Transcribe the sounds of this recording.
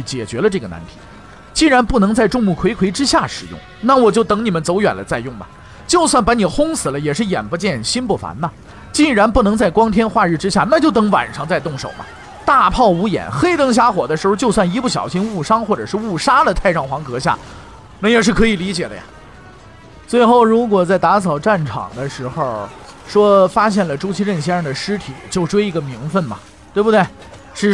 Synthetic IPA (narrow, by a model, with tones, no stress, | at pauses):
t͡ɕjɛ̰˨˩t͡ɕɥɛ˧˥lə˧ʈ͡ʂɤ˥˩ɡə˩na̰˧˥nt̪ʰi̥̰˨˩˦ | t͡ɕi˥˩ɻa˧˥npu˥˩nɤ˧˥ŋt͡sa˥˧ɪʈ͡ʂʊ˥˧ŋmu˥˩kʰwe˧˥ɪkʰwe˧˥ɪʈ͡ʂɻ̩˥ɕja˥˩ʂɻ̩˨˩jʊ̰˥˩ŋna˥˩wɔ˨˩t͡ɕjo˥˩ʊt̪ɤ˧˥ŋni˨˩mə˦nt͡so˧˥ʊɥɛ̰˨˩nd̪ə̰˦t͡sa˥˧ɪjʊ˥˩ŋmɐ̰˩ | t͡ɕjo˥˧ʊswa˥˩npa˧˥ni˨˩xʊ˥ŋsʰɹ̩˨˩lə˦jɛ˨˩ʂɻ̩˥˩jɛ̰˨˩nfə˧˥t͡ɕjɛ˥˩nɕi˥np̬u˥˩fa̰˧˥nnɐ˧ | t͡ɕi˥˩ŋɻa˧˥npu˥˩nɤ˧˥ŋt͡sa˥˩ɪkwɑ˥ŋt̪ʰjɛ˥nxwa˥˧ɻ̩˥˩ʈ͡ʂɻ̩˥ɕja˥˩na˥˧t͡ɕjo˥˩ʊt̪ɤ˧˥ŋwa̰˨˩nʂɑ˥˧ŋt͡sa˥˧ɪt̪ʊ˥˩ŋʂo̰˨˩ʊmɐ̰˦ | t̪a˥˧pʰɑ˥˩ʊu˧˥jɛ̰˨˩nxe˥ɪt̪ɤ˥ŋɕ̬ja˥xwɔ˨˩d̪ə˦ʂɻ̩˧˥xo˧t͡ɕjo˥˧ʊs̬wa˥˩ni˧˥pu˥˩ɕjɑ̰˨˩ʊɕi˥nu˥˩ʂɑ˥ŋxwɔ˥˩ʈ͡ʂɤ̰˨˩ʂɻ̩˥˧u˥˩ʂa˥d̪ə˨t̪ʰa˥˧ɪʈ͡ʂɑ˥˩ŋxwɑ˧˥ŋkɤ˧˥ɕja̰˥˩ | na˥˩jɛ˨˩ʂ̬̩˥˩kʰɤ˧˥i˨˩li˧˥t͡ɕjɛ˨˩d̪ə̰˦ja̰˧ | t͡swe˥˧ɪxo˥˩ʊɻu˧˥kwɔ˨˩t͡sa˥˩ɪt̪a˧˥sʰɑ˨˩ʊʈ͡ʂa˥˩nʈ͡ʂʰɑ̰˨˩ŋd̪ə˦ʂɻ̩˧˥xo˥˧˩ | ʂwɔ˥fa˥ɕjɛ˥˩nlə˩ʈ͡ʂu˥t͡ɕʰi˥ɻə˥˩nɕ̬jɛ˥˧˩d̪ə˩ʂɻ̩˥t̪ʰi˨˩˦t͡ɕjo˥˩ʊʈ͡ʂwe˥ɪi˧˥ɡə˧mi˧˥ŋfə˥˩nmɐ̰˩ | t̪we˥˩bu˩d̪we˥˩ɪ | ʂɻ̩˥˩